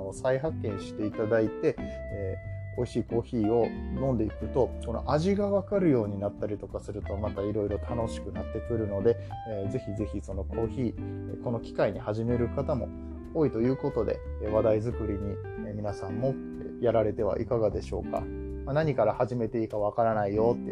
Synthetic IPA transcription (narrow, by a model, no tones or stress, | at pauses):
osaiɦakːẽ̞ɰ̃ɕi̥t̪e̞it̪ad̪ait̪e̞eo̞iɕiːko̞ːçiːo̞nõ̞nd̪e̞ikɯ̟t̪o̞ko̞no̞̰ʔaʑiɡaβakaɾɯ̟jo̞ːɲ̟inat̪ːaɾʲit̪o̞kasɨɾɯ̟t̪o̞mat̪aiɾo̞iɾo̞t̪ʰano̞ɕi̥kɯ̟nat̪ːe̞kɯ̟ɾɯ̟no̞d̪e̞ed͡ze̞çize̞çiso̞no̞kʰo̞ːçiːko̞no̞kʲi̥kaiɲ̟ihaʑime̞ɾɯ̟kat̪amo̞̰ | oːit̪o̞jɯ̟ːko̞t̪o̞d̪e̞̰βad̪aizɨkɯ̟ɾʲiɲ̟i | emʲinasãmːo̞ | jaɾaɾe̞t̪e̞βa̰ʔḭkaɡad̪e̞ɕo̞̰ːka̰ | manaɲ̟ikaɾahaʑime̞t̪e̞ikaβakaɾanaijo̞t̪ːe